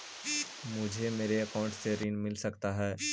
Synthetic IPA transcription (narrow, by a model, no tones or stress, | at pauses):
mʊd͡ʒʱemeːɾeɐkaʊ̃ɳʈseɾiːnmɪlsɐkt̪aɦɛː